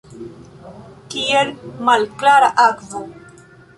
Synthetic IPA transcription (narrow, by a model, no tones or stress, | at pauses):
kielmalklaɾaʔakvo